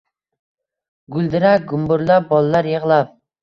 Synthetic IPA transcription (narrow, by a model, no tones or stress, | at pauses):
ɡʊlˠd̪ɪɾaɡʊmbʊɾlap̚bɒlˠalaɾjeʁlˠap̚